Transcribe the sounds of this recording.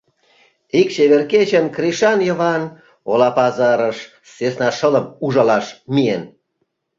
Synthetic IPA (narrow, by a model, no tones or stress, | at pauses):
ikt͡ɕeβerket͡ɕənkriʃɑnjəβɑn | olɑpɑzɑɾəʃ | sesnɑʃələmuʒɑlɑʃmien